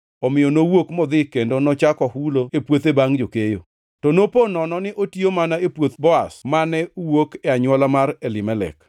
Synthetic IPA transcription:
ɔmɪjɔnowokmɔd̪ɪkendonɔt͡ʃakɔhuloepwot̪ebaŋd͡ʒokejo | tɔnoponɔnɔnɪʔotiomanaepwot̪bɔasmanɛuwokɛaɲwɔlamaɾelɪmɛlɛ̰k

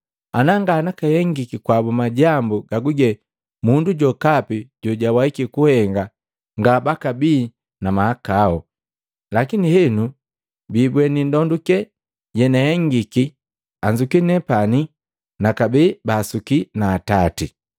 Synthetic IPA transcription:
anaŋɡaːnakahɛŋɡikikwabumaɟambuɡaɡuɡɛ | munduɟɔkapiɟɔɟawaikikuhɛŋɡa | ŋɡabakabiː | namahakaɔ | lakinihɛnu | bibwɛnindɔndukɛ | ɟɛnaɛŋɡiki | aɲd͡ʒukinɛpani | nakabibaːsukinaːtati

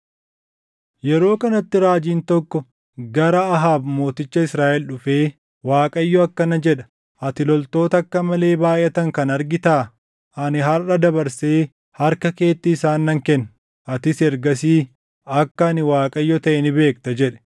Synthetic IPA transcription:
jɛɾo̞ːkɐnɐt̪ːɪɾaːd͡ʒiːnt̪ɔkːɔ | ɡɐɾɐɐɦaːbmo̞ːt̪ɪt͡ʃːɐɪsɾaːʔɛlɗʊfe̞ː | waːkʼɐjːɔɐkːɐnɐd͡ʒɛᶑɐ̥ | ʔɐt̪ɪlɔlt̪o̞ːt̪ɐkːɐmɐle̞ːbaːjɛt̪ɐŋkɐnɐɾɡɪt̪aː | ʔɐnɪɦɐrɐd̪ɐbɐɾseː | hɐɾkɐke̞ːt̪ːɪːsaːnːɐŋkɛnː | ʔɐt̪ɪsɛɾɡɐsiː | ɐkːɐɐnɪwaːkʼɐjːɔt̪ɐʔɛnɪbe̞ːkt̪ɐd͡ʒɛᶑɛ̥

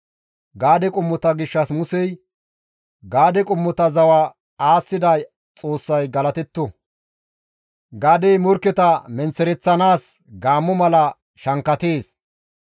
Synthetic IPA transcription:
ɡaːd̪ɛkʼʊmːɔt̪ɐɡɪʃːɐsmʊsɛj | ɡaːd̪ɛkʼʊmːɔt̪ɐzɐwa | aːsːɪd̪ɐj | t͡sʼo̞ːsːɐjɡɐlɐt̪ɛt̪ːɔ | ɡaːd̪ɛjmɔɾkːɛt̪ɐmɛnt͡sːɛɾɛt͡sːɐnaːs | ɡaːmːɔmɐlɐ | ʃɐŋkːɐt̪e̞ːs

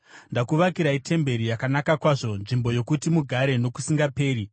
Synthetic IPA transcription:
ndakuʋakiɾaitʰe̞mbe̞ɾijakanakakwaʐo̞nʐimbo̞jo̞kutimuɡʱaɾe̞no̞ku̥siŋɡape̞ːɾi

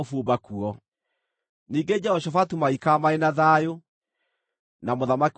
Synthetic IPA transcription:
fobakuɔ | niːŋɡed͡ʒɛɔʃɔfatumaikamaenaðajo | namoðamak

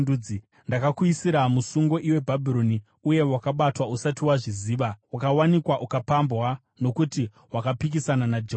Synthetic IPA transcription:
ui | ndakakwisiɾamusuŋɡo̞ʔiwe̞bʱabʱiɾo̞ni | uje̞wakaɓatwausatiwaʐiziːʋawakawanikwaʔukapambwa | no̞kuti | wakapik̬isananad͡ʒe

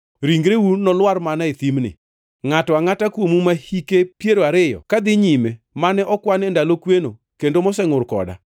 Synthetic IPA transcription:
ɾiŋɡɾewunɔlwarmanaet̪imnɪ̰ | ŋatɔaŋatakwomumahikepjeɾoaɾɪjɔ̰kad̪ɪɲime | manɛʔɔkwanɛndalokweno | kendomɔsɛŋʊrkɔ̰da̰

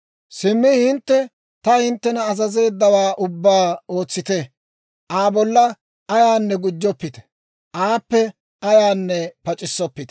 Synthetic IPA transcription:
sɪmːɪhɪnt̪ːɛ | t̪ɐhɪnt̪ːɛnɐːzɐze̞ːd̪ːɐwaːʔʊbːaːo̞ːt͡sːɪt̪ɛ | ʔaːbɔlːɐ | ɐjaːnːɛɡʊd͡ʒːɔpːɪt̪ɛ̥ | ʔaːpːɛ | ʔɐjaːnːɛpɐt͡ʃʼɪsːɔpːɪt̪ɛ̥

